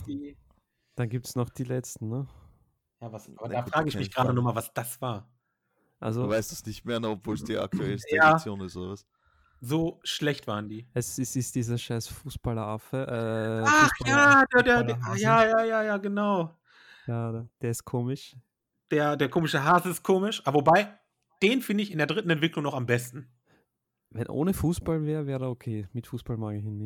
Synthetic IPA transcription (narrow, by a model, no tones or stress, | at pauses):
d̥iː | d̥anɡiːp̚tsnɔχd̥iːlɛt͡stn̩nə | jaːvasʔaːbɐdaːfʁ̥aːɡəɪçmɪçɡ̥ʁaːɾənɔχmaːlvasd̥asv̥aːɐ | ʔa̰lzovaɪstasnɪçtmeːɐnəɔpv̥oːlsd̥iːa̰k̚tʰuɛlsjaːt͡sjoːnɪstoas | zoːʃlɛçtv̥a̰ːʁəndiːʔɛsɪsɪstd̥iːzɐʃaɪsfuːsb̥alɐʔafəʔɛːaχjaːdeːdeːɐajaːjaːjaːjaːɡənaʊ | jaːd̥eːɐɪst̚kʰoːmɪʃ | d̥eːɐdeːɐkʰoːmɪʃəɦasɪst̚kʰoːmɪʃʔabɐvobaɪ | d̥eːnfɪndəɪçɪndeɐdʁɪtn̩ɛntv̥ɪklʊŋnɔχambɛstn̩ | vɛnʔo̰ːnəfuːsb̥alvɛːʁəvɛːʁdəokʰeːmɪtfuːsb̥almaːɡəɪnːɪ